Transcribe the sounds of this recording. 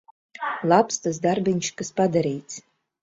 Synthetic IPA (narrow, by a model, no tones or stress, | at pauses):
lapʰstʰʼazdarbanʲt͡ʃʰkʼɨspadaɾe̞jt͡sʰ